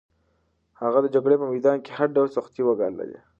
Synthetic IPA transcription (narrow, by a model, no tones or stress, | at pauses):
haɣad̪əd͡ʒaɡɽepəmajd̪ɑnke̥haɾɖawlsʊxt̪iwaɡɑ̰nla̰d̪ḛ